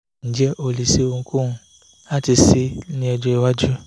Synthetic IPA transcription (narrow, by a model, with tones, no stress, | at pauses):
n̩˨d͡ʒɛ˦ʔo˧li˨si˦o˧ŋũ˧ku˦ũ˦ | a˦ti˧si˦nĩ˦ɛ˧d͡ʒɔ˦i˧wa˦d͡ʒu˦